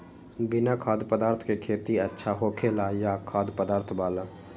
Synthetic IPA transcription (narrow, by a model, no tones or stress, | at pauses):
bɪnakʰaːd̪pəd̪aːɾt̪ʰkekʰeːt̪iɐtːʃʰaɦoːkʰelaːjakʰaːd̪pəd̪aːɾt̪ʰbaːlaː